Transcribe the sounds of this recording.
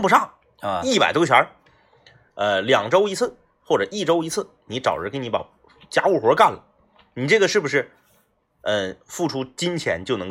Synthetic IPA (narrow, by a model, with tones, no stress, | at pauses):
pu˧˥ʂɑ˥˩ŋ | i˥˩pa˨˩ɪt̪o˥ʊt͡ɕʰwa̰˧˥ | ə˧ljɑ˨˩ŋʈ͡ʂo˥ʊi˧˥t͡sʰɹ̩˥˩ | xwɔ˥˩ʈ͡ʂɤ˨˩i˥˩ʈ͡ʂo˥ʊi˧˥t͡sʰɹ̩˥˩ | ni˧˥ʈ͡ʂɑ̰˨˩ʊʈ͡ʂɻ̩˧˥ke˧˥ni˧˥pa̰˨˩ | t͡ɕja˥u˥˩xwɔ˧˥ka˥˩nlə˨˩ | ni˨˩ʈ͡ʂɤ˥˩ɡə˩ʂɻ̩˥˩bu˩ʂɻ̩˥˩ | ə˥˧fu˥˩ʈ͡ʂʰu˥t͡ɕi˥nt͡ɕʰjɛ̰˧˥nt͡ɕjo˥˩ʊnɤ˧˥˧